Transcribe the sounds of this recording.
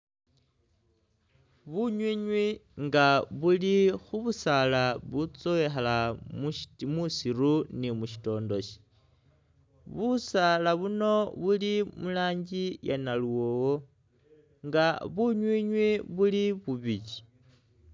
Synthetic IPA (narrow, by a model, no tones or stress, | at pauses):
βuɲwiɲwiŋɡaβulixuβusalaβut͡sowexalammusiɾunimuʃi̥to̞ːndo̞ʃi̥ | βusalaβuno̞βulimulaːɲɟijanaluwowo | ŋɡaβuɲwiːɲwiβuliβuβit͡ʃi̥